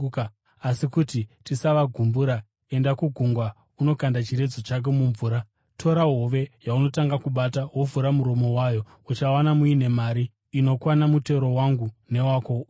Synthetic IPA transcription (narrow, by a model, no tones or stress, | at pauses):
asikutitisaʋaɡʱumbuɾa | e̞ndakuɡʱuŋɡwa | uno̞kandat͡ʃiɾe̞d͡zo̞t͡ʃak̬e̞muɱvuːɾa | tʰo̞ɾaɦo̞ʋe̞jauno̞taŋɡakuɓatawovuɾamuɾo̞mo̞wajo̞ | ut͡ʃawanamuine̞maːɾiː | no̞kwanamute̞ɾo̞waŋɡune̞waːko